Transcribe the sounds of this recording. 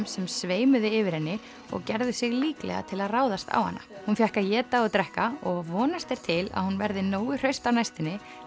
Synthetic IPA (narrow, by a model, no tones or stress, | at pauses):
msɛmsveːjmʏðɪɪvɪɾ̥hɛnːɪ | ɔ̰ɣcɛɾðʏsɪɣliːklɛ̰ɣa̰t̪ʰɪlaðraːwðast̪a̰whanːa̰hunfjɛhkajɛːt̪aɔt̪ɾɛhkaɔɣvɔːnast̪ɛɾ̥t̪ʰɪla̰ðhunvɛɾðɪnoːwʏr̥œɥst̪awnajst̪ɪnːɪ